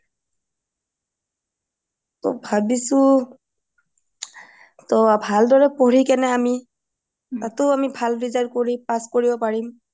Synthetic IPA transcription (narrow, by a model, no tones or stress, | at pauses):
tɔ̰bʱabisʊ | tɔabʱaldɔɹɛpoɹikɛnɛami | tatʊamibʱalɹizad̚koɹipaskoɹibɔpaɹim